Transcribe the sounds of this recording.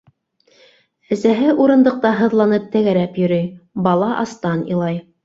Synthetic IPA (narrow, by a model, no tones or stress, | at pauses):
æsæɦɘʔuɾɤ̆nd̪ɤ̆q̚t̪ɑɦɤ̆ðlˠɑnɤp̚t̪æɡæɾæpjɵ̆ɾɘjbɑlˠɑʔɑst̪ɑnḭlˠɑj